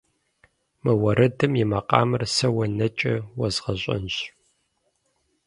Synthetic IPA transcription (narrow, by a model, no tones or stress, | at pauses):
mɨwɐɾɐdɨmjɪmɐqʼɑ̰ːmɨrsɐwɐnɐt͡ʃʼɐwɐzʁɐɕʼɐ̰nɕ